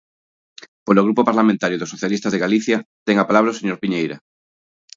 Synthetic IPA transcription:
poloɣ̞ɾupopaɾlamẽnt̪aɾjoðosoθjalist̪azðeɣaliθjat̪eŋapalaβ̞ɾaoseɲoɾpiɲejɾa̰

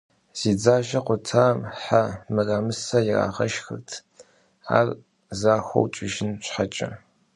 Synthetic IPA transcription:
z̥iːd͡zaːʒɐqʷʊtʰaːmħamɨraːmɨsɐjɪra̰ːʁɐʃxɨ̰rtʰ | a̰ːr | zaːxʷo̰wt͡ʃʼɪʒɪnɕʷħat͡ʃʼɐ̰

